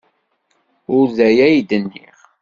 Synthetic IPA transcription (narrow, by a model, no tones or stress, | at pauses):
ʊɾðæjæjd̪ənːḭʁ